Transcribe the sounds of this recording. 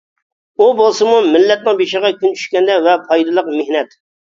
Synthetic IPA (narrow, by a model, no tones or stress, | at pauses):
ubolˠsɨmumɪlːɛt̪̚nɪŋbeʃɪʁɑkʲynt͡ʃʰy̥ʃkʲɛnd̪ɛvɛpʰɑjd̪ɨlˠəqmehnɛt̪